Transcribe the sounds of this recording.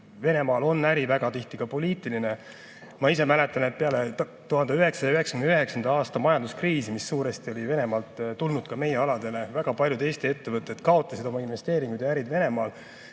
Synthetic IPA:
ve̞ne̞mɑːlo̞nːæɾivæɡ̥ɑt̪iht̪iɡ̥ɑpo̞liːt̪ˑiline̞ | mɑise̞mæle̞t̪ːˑɑnet̪̚peɑle̞ | t̪uɦɑnd̪eyɦe̞ksɑjɑyɦe̞ksɑkynd̪yɦe̞ksɑnd̪ɑɑːst̪ɑmɑjɑnd̪uskriːsimisːuːɾe̞st̪io̞live̞ne̞mɑːlt̪t̪ulnud̪̥̚kɑme̞jeɑlɑd̪̥e̞le̞væɡ̥ɑpɑlʲjud̪e̞ːst̪ie̞t̪ːe̞vɤt̪ːˑe̞d̪kɑo̞t̪ːˑɑsid̪o̞mɑinve̞st̪e̞ːɾiŋɡ̥ud̪̥jɑæɾid̪ve̞ne̞mɑːl

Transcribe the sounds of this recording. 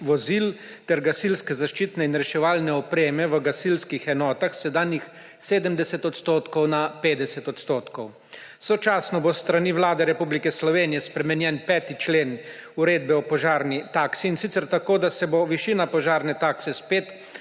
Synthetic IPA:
ʋɔzilt̪ɛɾɡasilskɛzaʃt͡ʃiːt̪nɛinɾɛʃɛʋaːlnɛɔpɾeːmɛʋəɡasilskixɛnɔːt̪axsɛd̪aːnjix | seːd̪əmd̪ɛsɛt̪ɔt̪st̪oːt̪kɔwnapeːd̪ɛsɛt̪ɔt̪st̪oːt̪kɔw | sɔt͡ʃaːsnɔbost̪ɾaniːʋlaːd̪ɛɾɛpublikɛslɔʋeːnijɛspɾɛmɛnjɛnpɛːt̪it͡ʃleːn | uɾeːd̪̚bɛɔpɔʒaːɾnit̪aːksiːnsit̪sɛɾt̪akoːd̪asɛboʋiʃiːnapɔʒaːɾnɛt̪aːksɛspeːt̪

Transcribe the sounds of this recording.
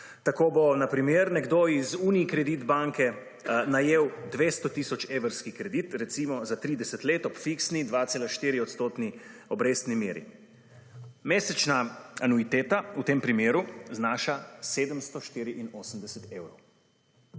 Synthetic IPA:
t̪akoːbɔnapɾimeːɾnɛɡd̪oizuːniikɾɛd̪iːd̪baŋkɛ | najeːwd̪ʋeːst̪ɔt̪iːsɔt͡ʃeːʋəɾskikɾɛd̪iːt̪ɾɛt̪simɔzat̪ɾiːd̪ɛsɛt̪leːt̪ɔpfiksnid̪ʋaːt̪seːlaʃt̪iːɾiɔt̪st̪oːt̪niɔbɾeːst̪nimeːɾḭ | meːsɛt͡ʃnaanuit̪eːt̪aut̪eːmpɾimeːɾuznaːʃaseːd̪əmst̪ɔʃt̪iːɾiʔinoːsəmd̪ɛsɛt̪eːwɾow

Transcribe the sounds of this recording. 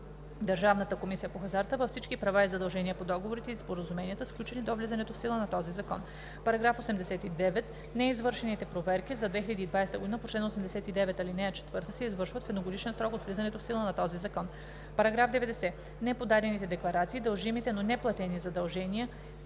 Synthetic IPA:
d̪ɐɾʒavnət̪əkomisijəpoxɐzaɾt̪əvɐfsit͡ʃkipɾɐvaizɐd̪ɐlˠʒɛniəpod̪ɔɡovoɾit̪ɛispoɾəzumɛniət̪əsklʲut͡ʃɛnid̪ovlizɐnɛt̪ofsilˠənɐt̪ɔzizɐkɔn | pɐɾɐɡɾafosɛmd̪ɛsɛt̪id̪ɛvɛt̪ | nɛizvɤɾʃɛnit̪ɛpɾovɛɾkizɐd̪vɛxiʎʲɐd̪iːd̪vajst̪əɡod̪inəpot͡ʃlɛnosɛmd̪ɛsɛt̪id̪ɛvɛt̪ɐlinɛt͡ʃɛ̥t̪vɤɾt̪əsɛizvɤɾʃvət̪fɛd̪noɡod̪it͡ʃɛnsɾɔkot̪vlʲizɐnɛt̪ofsilˠənɐt̪ɔzizɐkɔn | pɐɾɐɡɾavd̪ɛvɛd̪ɛsɛ | nɛpod̪ad̪ɛnit̪ɛd̪ɛklˠɐɾat̪siːd̪ɐlˠʒimit̪ɛnonɛplˠɐt̪ɛnizɐd̪ɐlˠʒɛniə

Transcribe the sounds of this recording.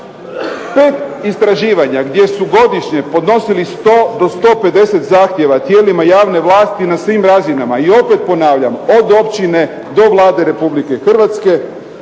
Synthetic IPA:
pe̞ːt̪ist̪ɾaʒiːʋaɲaɡd̪je̞suɡo̞d̪iʃɲe̞po̞d̪no̞silist̪o̞ːd̪o̞st̪o̞ːpe̞d̪e̞se̞t̪zaːxt̪je̞ʋat̪je̞ːlimajaːʋne̞ʋlˠaːst̪inasʋimɾazinamaio̞pe̞t̪̚po̞naːʋʎamo̞d̪o̞pt͡ɕine̞ | d̪o̞ʋlˠaːd̪e̞ɾe̞publike̞xr̩ʋat̪ske̞

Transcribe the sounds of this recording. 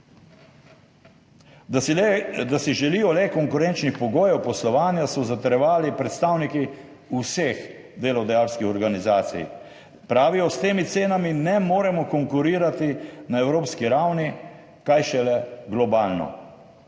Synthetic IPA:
d̪asiʒɛliːjɔlɛkɔŋkʊɾɛnt͡ʃnixpɔɡoːjɛwpɔslɔʋaːnjasɔzat̪ɛɾjɛʋaːlipɾɛt̪st̪aːwniki | usex | d̪eːlɔd̪ajaːɾskixɔɾɡanizaːt̪sḭj | pɾaːʋijɔst̪eːmit̪seːnaminɛmoːɾɛmɔkɔŋkuɾiːɾat̪inaɛwɾoːpskiɾawni | kajʃɛlɛɡlɔbaːlnɔ̰

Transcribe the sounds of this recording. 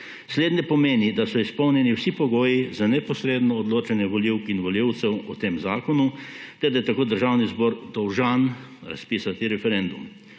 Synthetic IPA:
sleːd̪nʲjɛpɔmeːnid̪asɔispɔwnjɛniwsipɔɡoːjizanɛpɔsɾeːd̪nɔːd̪loːt͡ʃɛnjɛʋɔliwkinʋɔljiwt̪sɛwɔ̰t̪eːmzaːkɔnut̪ɛɾd̪ajɛt̪akoːd̪əɾʒaːwnizbɔːɾd̪ɔwʒanɾa̰spiːsat̪iɾɛfɛɾɛnd̪ṵm

